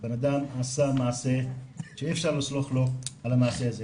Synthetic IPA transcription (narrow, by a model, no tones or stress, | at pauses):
benad̪amasamaʕːseʃeefʃaʁlisloχlo̞alamaːseaze